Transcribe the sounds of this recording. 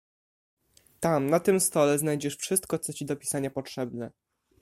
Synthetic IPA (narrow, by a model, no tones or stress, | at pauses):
t̪amnat̪ɘmst̪ɔlɛznajd͡ʑɛʂfʂɘst̪̚kɔt̪sɔt͡ɕid̪ɔpʲi̥saɲapɔtʂɛbnɛ